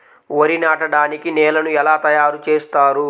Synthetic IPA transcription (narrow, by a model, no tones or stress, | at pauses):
ʋɐɾinaːʈɐɽaːnikinɛːlɐnuɛlaːt̪ɐjaːɾut͡ʃeːst̪aːɾu